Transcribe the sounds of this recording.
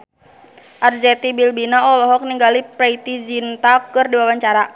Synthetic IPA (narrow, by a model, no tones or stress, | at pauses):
ʔard͡ʒɛt̪ibilbinaɔlɔɦɔk̚niŋɡalipɾɛit̪id͡ʒint̪akɨrdiwawaɲt͡ʃaɾa